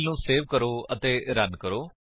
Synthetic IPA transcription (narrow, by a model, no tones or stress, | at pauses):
lnũːseːʋkəɾoːət̪eːɾənkəɾoː